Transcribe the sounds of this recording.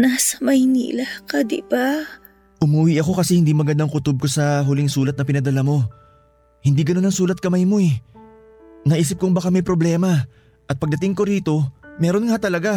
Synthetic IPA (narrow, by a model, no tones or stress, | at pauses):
nasɐ̥mɐjnḭːlɐkɐd̪ɪ̰ba | ʔʊmuːwɪʔɐko̞kɐsɛhɪnd̪iːmɐɡɐnd̪ɐŋkʊt̪ob̚kosɐɦʊlɪŋsuːlɐt̪̚nɐpɪnɐd̪ɐlamo̞ | hɪnd̪iːɡɐno̞nɐŋsuːlɐt̪̚kɐmajmo̞ɛ | nɐʔiːsɪp̚kʊŋbɐkamɐjpɾo̞blɛːmɐ | ʔɐt̪̚pɐɡ̚d̪ɐt̪ɪŋko̞ɾiːt̪o̞mɛːɾo̞nŋɐhat̪ɐlɐɡa